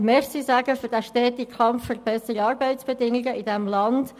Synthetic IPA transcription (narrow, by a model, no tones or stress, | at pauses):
mɛːɾsisæːɡəfʏɾd̥æʃtɛːt̪ɪkʰɑmfføɾb̥ɛsəɾiɑːɾbɛɪtsb̥ɛdɪŋɪɡəʔɪdɛmlɑnd̥